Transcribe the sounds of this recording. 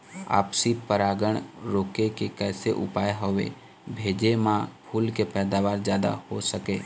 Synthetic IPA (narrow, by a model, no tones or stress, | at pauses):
a̰ːpsipəɾaːɡəɳ̃ɾoːkekekɛːsḛʔʊ̰paːeɦoʋḛ | bʱeːd͡ʒemãpʰuːlkepɛːd̪aːʋaːɾd͡ʒjaːd̪a̰hosəkeː